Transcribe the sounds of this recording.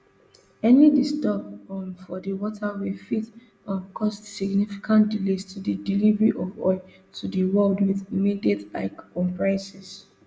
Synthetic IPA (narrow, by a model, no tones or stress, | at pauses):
ɛnidistɔbɔ̃nfɔdiwɔtʰawifit | ãnkʰɔstsiɡnifi̥kʰãntdilestudidilivəɹiʔɔvɔ̰ɪ | tʰudəwɛldwiðimidiɛta̰ɪkːɔ̃mpɹãnsɛs